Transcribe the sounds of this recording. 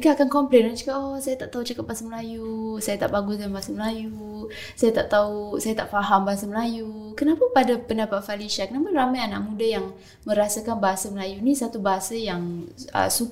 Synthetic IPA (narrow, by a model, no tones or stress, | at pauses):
kaakankɔmplenmat͡ʃḁkaosajat̪aʔt̪aut͡ʃakat̪̚basaməlajusajat̪aʔbaɡusdanbaɦasaməlaju | sajat̪aʔt̪ausajat̪aʔfaɦambaɦasaməlaju | kənapapadapəndapat̪̚faliʃakənaparamajanaʔ̚mudajaŋ | mə̃ɾasakanbaɦasaməlajunisat̪ubaɦasajaŋə̰su